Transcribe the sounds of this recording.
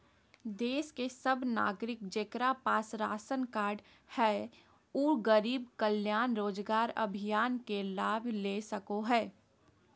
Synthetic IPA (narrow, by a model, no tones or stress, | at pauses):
d̪eːskesəbna̰ːɡɾɪk̚d͡ʒeːkɾapaːsɾa̰ːsənkaːɾɖ | hɛ | uːɡəɾiːbkəljaːnɾoːd͡ʒɡaːɾɐ̰bʱijaːnkelaːbleːsəkoɦɛː